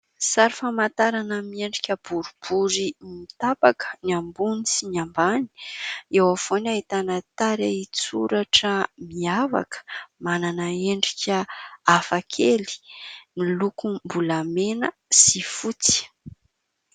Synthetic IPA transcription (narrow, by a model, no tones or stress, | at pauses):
saɾifamat̪aɾanəmieɳɖ͡ʐikʲəb̥uɾub̥uɾimit̪apakə̥niambunisiɲambani̥ewafonaɦit̪anət̪aɾeit͡sṵɾaʈ͡ʂəmiava̰kə̥mananəeɳɖ͡ʐikʲəafakʰeli̥nilukumbulamenə | sifut͡si̥